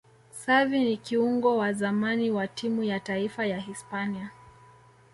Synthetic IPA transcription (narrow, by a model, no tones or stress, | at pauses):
savinikiuŋɡɔwazamaniwatʰimujataifajaɦispania